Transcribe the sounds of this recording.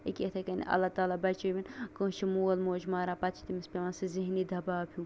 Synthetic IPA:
ḭkʲet̪ʰɐkɐn̰ʔɐ̰lat̪aːlabɐt͡ʃobinkə̃ːt͡ʃʰimoːlmoːd͡ʒmaːɾãpɐt̪t͡ʃʰi̥t̪imispʲeʋãnsiziɦnid̪ʱɐbaːpʲʰjũ

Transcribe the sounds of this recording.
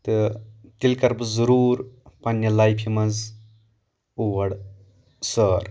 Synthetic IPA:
t̪ɨt̪ilkɐɾbɨzɐɾuːɾpɐnːɐlajpʰimɐnz | uʋɐɽ | səːɾ

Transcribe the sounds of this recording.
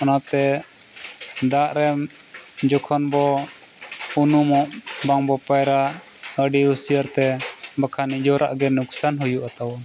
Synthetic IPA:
ɔnat̪ɛ | d̪aʔɾɛmd͡ʒɔkʰɔnbɔ | unumɔʔbaŋbɔpajɾaʔ | əɖihusijəɾt̪ɛbakʰanid͡ʒɔɾʔaʔɡɛnuksanɦujuʔat̪awɔn

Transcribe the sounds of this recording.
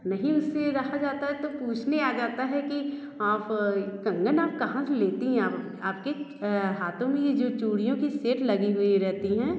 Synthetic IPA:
nɐɦĩʊsːeɾɐɦad͡ʒaːt̪aɦɛt̪opuːt͡ʃʰneaːd͡ʒaːt̪aɦɛki | aːpkɐ̃ŋɡənaːp̚kɐɦãseleːt̪eɦɛ̃aːp | aːp̚keɦaːt̪ʰõmẽjed͡ʒoːt͡ʃuːɽijõkiseːʈlɐɡiɦʊiɾɛɦt̪iɦɛ̃ː

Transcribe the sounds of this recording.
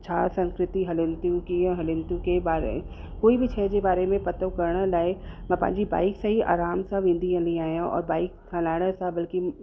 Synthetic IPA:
t͡ɕʰaːsɐ̃ŋskɾɪt̪iɦɐlɪ̃nt̪ũkĩɦɐlɪ̃nt̪ũkebaːɾḛḛ̃ | koːibʱit͡ɕʰɛːd͡ʑebaːɾemẽpɐt̪əkɐɾɽ̃əlaːemɐpɐ̰̃ɦɪ̰̃ɲd͡ʑiba̰ːɪksɐɦiʔa̰ːɾaːmsãʋɪ̃nd̪ʱiɦə̃lĩaːɦjãʔɔ̰ːɾbaːɪk̚ʰɐlaːɪɽ̃əsãbɐlki

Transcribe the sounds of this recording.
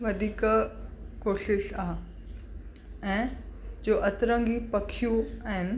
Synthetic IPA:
ʋɐd̪ʱiːk | koːʃɪʃaːɦ | ɛ̃ːd͡ʑoːʔɐt̪ɪɾə̃ŋɡipɐkʰijũaɦɪnɪ̆

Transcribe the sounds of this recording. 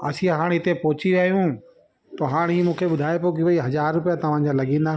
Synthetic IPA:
ɐ̰sĩãɦaːɽ̃ɪt̪epɔːʊt͡ɕiʋjaːɦjũ | t̪oɦaːɽ̃iːmũːkʰeɓʊd̪ʱaːepokiʋɐiɦɐzaːɾːʊpijat̪ɐʋ̤ãːɲd͡ʑalɐɠĩːnd̪aː

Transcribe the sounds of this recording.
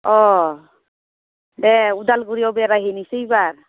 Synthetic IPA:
ɔ | dɛud̪alɡuɾiɔbɛɾajɦinisejbaɾ

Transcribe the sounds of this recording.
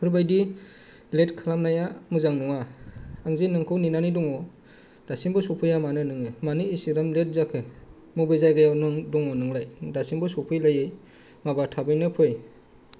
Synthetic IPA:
pʰɯɾbajdi | letkʰalamnajamɯzaŋnɔŋaaŋzenɯŋkʰɯwninanidɔŋɔ | d̥asimbɔsɔpʰɯjamanɯnɯŋɯmaniːsiɾamlet̚zakʰɯ | mɔbɯzajɡajawnɯŋdɔŋɔnɯŋlajdasimbɔsɔpʰɯjlajɯj | mabatʰabɯjnɯpʰɯj

